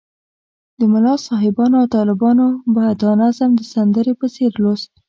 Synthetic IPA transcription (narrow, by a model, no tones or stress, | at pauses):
d̪əmʊlɑsɑɦɪbɑnoawt̪ɑlɪbɑnobad̪ɑnazamd̪əsand̪əɾepəseɾlos